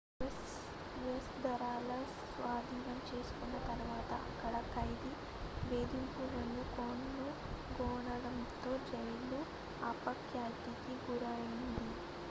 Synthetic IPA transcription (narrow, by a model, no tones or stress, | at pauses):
s | ʋesd̪ɐɾaːlɐs | ʋaːd̪ʱiːnɐmt͡ʃe̞ːsu̥kunːɐt̪ɐɾuʋaːt̪ɐ̰ʔɐkːɐɽɐkːɐjd̪i | beːd̪impuːɾɐnːukoːnlu | ɡɔːɳɐɽɐmt̪o̞ːd͡ʒɐjlu | aːpɐkjaːt̪ikiɡuɾaːjind̪i